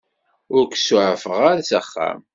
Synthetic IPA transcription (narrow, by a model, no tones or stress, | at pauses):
ʊɾksʊʕəfəʁaɾasæχːæ̰m